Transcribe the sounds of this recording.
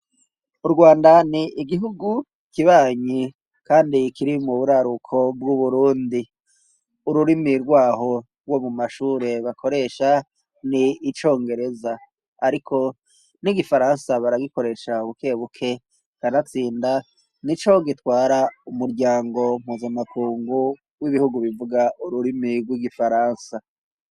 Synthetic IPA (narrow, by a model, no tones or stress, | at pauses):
uɾɡwaːndaniʔiɡiɦuɡu | kiβaːɲi | kaːndikiɾimuβuɾaɾukʰo̞bɡuβuɾuːndi | uɾuɾimiɾɡwaːho̞ | ɾwomumaʃuːɾe̞βakʰo̞ɾe̞ʃa | niːt͡ʃo̞ːŋɡe̞ɾe̞za | aɾikʰo̞ | niɡifaɾansaβaɾaɡiko̞ɾe̞ʃauβukʰe̞ːβukʰe̞ | kaɾat͡siːnda | nit͡ʃo̞ɡitwaːɾaumuɾɟaːŋɡo̞m̥huːzamakʰuːŋɡu | wiβihuɡuβivuɡauɾuɾimiɾɡwiɡifaɾaːnsa